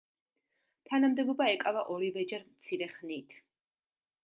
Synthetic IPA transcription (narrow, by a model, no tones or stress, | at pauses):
t̪ʰanamd̪ɛbɔbaɛkʼavaʔɔɾivɛd͡ʒɛɾmt̪sʰiɾɛχnit̪ʰ